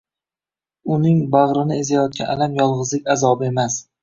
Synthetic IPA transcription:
ʊnɪŋbaʁɾɪnɪezajɒt̪̚kʲanalamjɒlˠʁɨzlɪkʲazɒbɪe̞mas

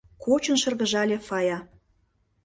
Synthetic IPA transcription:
kot͡ɕə̆nʃɤ̆rɣɤ̆ʒɑlʲefɑjɑ

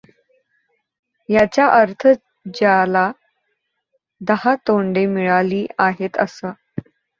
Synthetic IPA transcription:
jat͡ɕjaʔəɾt̪ʰə | d͡ʑala | d̪əɦat̪oɳɖemiɭaliːaɦet̪əsa

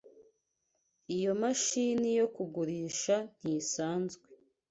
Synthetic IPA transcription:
ijo̞maʃiːnijo̞kuɡuɾiːʃan̥hisaːnzɡwe

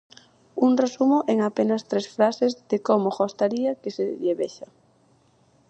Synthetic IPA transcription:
uŋresumoʔeŋapenast̪ɾesfɾasezðekomoɣost̪aɾiakeseʎeβḛʃa

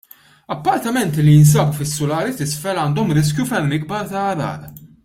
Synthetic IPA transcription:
ɐpːɐɾt̪ɐmɛnt̪ilːijɪns̬ɐːbufɪsːʊlɐːɾit̪ɪsfɛlɐːnd̪ɔmɾɪs̬kjufɛɾmɪɡ̚bɐɾt̪ɐːɾɐ̰ːɾ

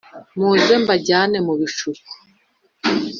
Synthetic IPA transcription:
muːze̞mbaɟaːne̞muβiʃuku̥

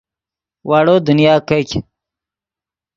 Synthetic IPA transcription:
wʔaːɽod̪unjaːkɐkʲ

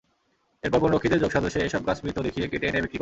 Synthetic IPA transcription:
eɾpɔɾpɔɾnokʰːit̪eɾd͡ʑoɡ̥ʃɔd̪oʃːeeʃɔb̚ɡasmit̪ːod̪ekʰiekeʈenebik̚t̪ik

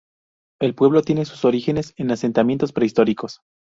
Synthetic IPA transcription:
e̞lpwe̞β̞lo̞t̪je̞nesu̥so̞ɾixe̞ne̞senase̞nt̪amjent̪o̞spɾeist̪o̞ɾiko̞s

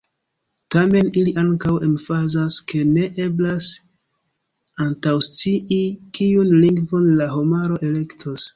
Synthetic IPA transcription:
tame̞niliʔaŋkawe̞mfazaske̞ne̞ʔe̞blas | antawst͡siʔikiunliŋɡvo̞nlaɦo̞maɾo̞ʔe̞le̞ktʰos

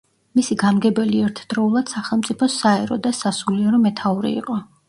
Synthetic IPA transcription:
misiɡamɡɛbɛliɛɾt̪ʰd̪̥ɾɔulˠad̪̥saχɛlˠmt̪ʼipʰɔsaɛɾɔ̰d̪asasuliaɾɔmɛt̪ʰauɾḭḭqʼɔ

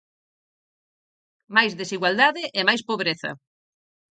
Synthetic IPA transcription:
majzðesiɣwald̪aðɪʔemajspoβɾeθɐ̰

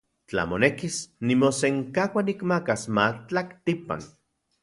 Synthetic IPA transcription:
t͡ɬa̰monekisnimoseŋkawanikmakasmat͡ɬakt̪ipa̰n

